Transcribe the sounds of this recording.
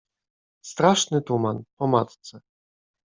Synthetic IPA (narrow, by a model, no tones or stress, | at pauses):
st̪ɾaʂnɘt̪umanpɔmat̪t̪sɛ